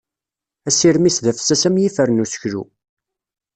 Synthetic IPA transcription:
æsiɾmisðæfsæsæmjifəɾnusə̥çɾṵ

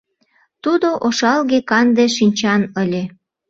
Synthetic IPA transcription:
t̪ud̪oʔoʃɑlɣekɑnd̪eʃinʲt͡ɕɑnəlʲe

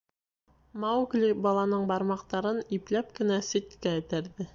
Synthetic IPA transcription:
mɑwɡlʲibɑlˠɑnɤɴbɑɾmɑqt̪ɑɾɤniplæp̚kɘ̆næsit̪kæːt̪æɾðɘ

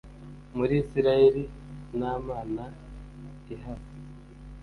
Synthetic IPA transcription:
muɾiːsiɾaeɾinaːmaːna | iɦafi̥

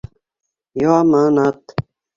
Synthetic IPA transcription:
joamaːnaːt̪

